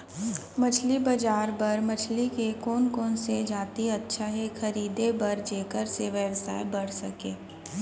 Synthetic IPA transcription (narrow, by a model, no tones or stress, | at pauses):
mɐt͡ʃʰlibɐd͡ʒaːɾbɐɾmɐt͡ʃʰlikekoːnkoːnsed͡ʒaːt̪iɐtːʃʰaɦɛxʰɐɾiːd̪ebɐɾd͡ʒeːkəɾseʋɛːʋsa̰ːebɐɽ̤sɐkẽː